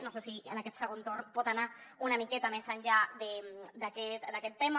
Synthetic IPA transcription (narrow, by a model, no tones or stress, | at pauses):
nosesiə̰naket̪səɣont̪oɾnpot̪anaunamiket̪amesaɲʲʎademd̪aket̪d̪aket̪ːem